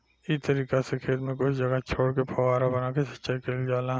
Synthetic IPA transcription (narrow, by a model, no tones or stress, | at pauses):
it̪ɐɾiːkasekʰeːt̪mẽkʊt͡ʃʰd͡ʒɐɡat͡ʃʰoːɽkepʰɐwaːɾabɐnaːkesɐ̥tːʃaːikʰeːld͡ʒaːla